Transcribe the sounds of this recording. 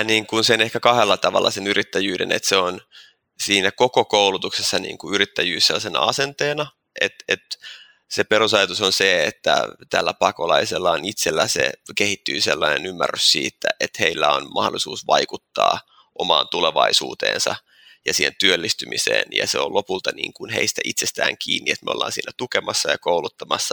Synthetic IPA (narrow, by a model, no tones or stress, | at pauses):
niːŋkunsenehkækɑhelːɑt̪ɑʋɑlːɑsenyrʔit̪ːæjyːɾenet̪seon | siːnækokokoulut̪uksesːɑnḭːŋkuyɾit̪ːæjyːsːeosenɑsent̪eːnɑ | ʔet̪et̪ | seperusɑjɑt̪usonseet̪ːæ̰t̪ælːæpɑkolɑiselːɑonit̪selːæsḛkehit̪ːyːselːɑinenymːærːyssiːt̪ːæʔet̪heilːæonmɑholisuːsʋɑikut̪ːɑ̰ː | ʔomɑːnt̪uleʋɑisuːt̪ḛːnsɑ | jɑsiːhent̪yølːist̪ymisḛːnjɑ̰seolʔopult̪ɑnḭːŋkunheist̪æʔit̪sest̪æ̰ːŋkiːnːiet̪meolːɑ̰ːnsḭːnːæt̪ukemɑsːɑjɑkoulut̪ːɑmɑsːɑ